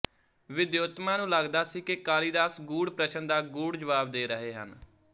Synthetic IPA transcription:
ʋɪd̪joːt̪mãːnũːləɡd̪aːsiːkɪkaːliːd̪aːsɡuːɽpɾəʃənd̪aːɡuːɽd͡ʒəʋaːb̚d̪eːɾəɦeːɦə̰n

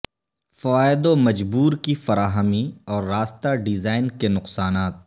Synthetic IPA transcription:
fɐʋaːɪd̪omɐd͡ʒbuːɾkifɐɾaːɦəmiɔːɾːaːst̪aɖɪzaːɪnkenʊqsaːnaːt̪̚

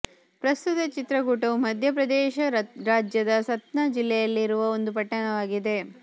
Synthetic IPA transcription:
pɾɐst̪ut̪ɐt͡ʃit̪ɾɐɡuːʈɐʋumɐd̪ʱjɐpɾɐd̪ɛːʃɐɾaːd͡ʒjɐd̪ɐsɐt̪nɐd͡ʒilːɛjɐlːiɾuʋɐo̞nd̪upɐʈːɐɳɐʋaːɡid̪e̞

